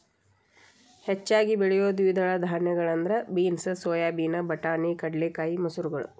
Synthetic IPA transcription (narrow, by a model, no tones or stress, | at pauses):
het͡ʃːaːɡibiɭɛjoːd̪iʋid̪ɐɭɐd̪ʱaːɾnjɐɡɐɭɐnd̪ɐɾɐbiːnsɨsoːjaːbiːnɐbɐʈaːnikɐɖleːkaːjimɐsuɾuɡɐɭṵ